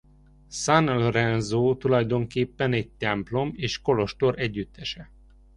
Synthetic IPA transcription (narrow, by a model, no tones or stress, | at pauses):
sanlrɛnzoːt̪ulɒjd̪o̞ŋkeːpːɛnɛɟ̚t̪ɛmplo̞meːʃko̞lo̞ʃt̪o̞ɾʔɛɟːyt̪ːɛʃɛ